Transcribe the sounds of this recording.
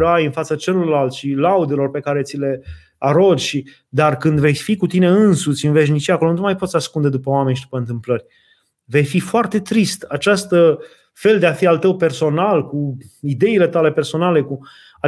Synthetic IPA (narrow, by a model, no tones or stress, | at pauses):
ajɨnfat̪sət͡ʃe̞lo̞rlalt̪ʃilaud̪elo̞rpe̞kaɾe̞t̪sile̞ | aɾo̞d͡ʒʲʃi | d̪arkɨnd̪ve̞jsʲfikut̪ine̞ɨnsut͡ʃinuveʃ̬nit͡ʃijako̞lonuumajpot̪saskund̪e̞d̪upəoame̞nʲʃid̪upəɨnt̪ɨmplərʲ | ve̞jfifoart̪e̞t̪ɾist̪at͡ʃast̪ə | fe̞ld̪e̞afialt̪əwpe̞rso̞nalkuid̪e̞ile̞t̪ale̞pe̞rso̞nale̞ku | a